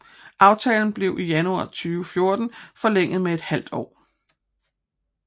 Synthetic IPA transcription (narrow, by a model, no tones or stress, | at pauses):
ʔɑ̈ʊt͡sʰɛ̰ːln̩b̥le̝ʊʔijænuɑ̰̈ːt͡sʰyːʊəfjo̝ɐd̥n̩fɒ̽leŋ̰ð̩ˠmee̝d̥hæl̰d̥ɒ̰ː